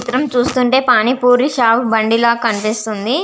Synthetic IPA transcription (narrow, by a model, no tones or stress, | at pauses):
it̪ɾɐmt͡ʃuːst̪uɳʈe̞ːpaːnipuːɾiʃaːpbɐɳɖilaːkɐnipist̪und̪i